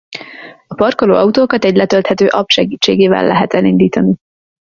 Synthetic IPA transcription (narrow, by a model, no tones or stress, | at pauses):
ɒpɒrkoloːɒut̪oːkɒt̪ɛɟlɛt̪ølt̪hɛt̪øːʔɒpʃɛɡiːt͡ʃːeːɡeːvɛ̰lːʔɛɦɛt̪ɛlind̪iːt̪ɒni